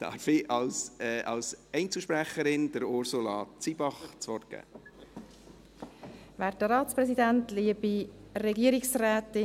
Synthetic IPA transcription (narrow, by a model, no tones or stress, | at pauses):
d̥ɑ̰ɾfɪɑlsʔɑlsɛɪnt͡səʃpɾæχəɾɪnd̥əɾʊɾsulɑ̰t͡sibɑχt͡sʋɔɾt̚ɡ̥æ̰ː | væɾtəɾɑːtt͡spɾɛsidæntliəbiɾɛɡiəɾiksrɛːtɪ